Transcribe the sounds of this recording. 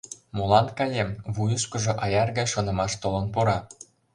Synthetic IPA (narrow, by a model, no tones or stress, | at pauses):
molɑnkɑlʲemβujɤ̆ʃkɤ̆ʒŏʔɑjɑrɣɑjʃŏnɤ̆mɑʃt̪olˠɤ̆npoɾɑ